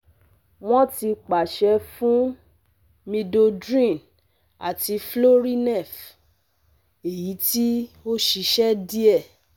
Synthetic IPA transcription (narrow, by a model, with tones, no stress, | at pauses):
w̃ɔ̃˦ti˧k͡pa˨ʃɛ˧fũ˦ | mĩ˧do˧dɾĩ˦˨n | a̰˨ti˧flo˦ɾi˦nɛ˦˨f | e˨ji˨˦ti˦o˦ʃi˧ʃɛ˦di˦ɛ˦˨